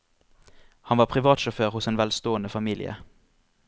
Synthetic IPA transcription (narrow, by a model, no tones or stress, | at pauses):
hɑnʋɑːʁpʰʁɪʋɑːt̪ʃʊføːʁhʊseːnʋɛlst̪oːənəfɑmiːlɪ̰ə̰